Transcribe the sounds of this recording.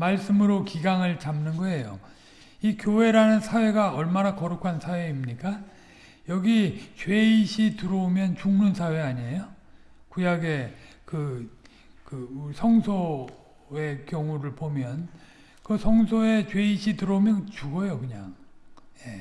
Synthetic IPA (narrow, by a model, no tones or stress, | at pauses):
maɭs͈ɯmɯɾokiɡaŋɯɭt͡ɕamnɯnɡʌe̞jo̰ | ikjowe̞ɾanɯnsʰawe̞ɡaʌɭmanakʌɾukʰansʰawe̞imɲik͈a | jʌɡit͡ɕwe̞iɕʰitɯɾʌumjʌnt͡ɕuŋnunsʰawe̞aɲiejo | kujaɡe̞ | kɯ | kɯsʰʌŋsʰo | e̞kjʌŋuɾɯɭpomjʌn | kɯsʰʌŋsʰoe̞t͡ɕwe̞iɕʰitɯɾʌumjʌnt͡ɕuɡʌjokɯɲa̰ŋje̞